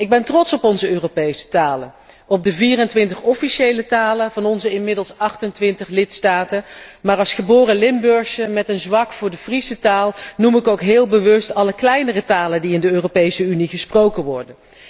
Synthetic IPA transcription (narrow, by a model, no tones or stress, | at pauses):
ɪɡ̚bɛntrɔtsɔpɔnzəøːrowpejsə̥taːlə | ɔb̚dəviːrəntʋɪntəχɔfiʃejlətaːlənvɑnɔnzəɪnmɪdəlˠsɑχtəntʋɪntəχlɪtstaːtəmaːrɑlˠsχəbʊːrəlɪmbɵɹxsəmɛtənzʋɑkfʊːɹdəvrisətaːlˠnumɪkowkɦɪːlˠbəʋɵstɑləklɛjnərətaːləndiɪndəøːropejsəyniχəsprowkəʋɔɹdən